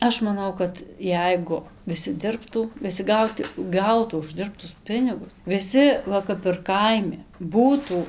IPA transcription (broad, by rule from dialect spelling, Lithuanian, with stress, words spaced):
ˈɐʃ mɐˈnɐʊ kɐt ˈjɛɪɡʊ ʋʲɪˈsʲɪ ˈdʲɪrptuː ʋʲɪˈsʲɪ ˈɡɐʊt ˈɡɐʊtuː ʊʒʲˈdʲɪrptʊs ˈpʲɪnʲɪɡʊs ʋʲɪˈsʲɪ ˈʋɐ ˈkɐp ɪr kɐɪˈmʲɪ ˈbuːtuː